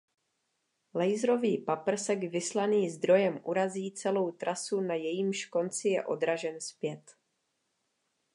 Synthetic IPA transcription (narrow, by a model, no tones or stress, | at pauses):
lɛjzɾo̞viːpapr̩sɛɡvɪslaniːzd̪ɾo̞jɛmʔuɾaziːt͡sɛlo̞wt̪ɾasunajɛjiːmʃko̞nt͡sɪjɛ̰ʔo̞d̪ɾaʒɛnspjɛt̪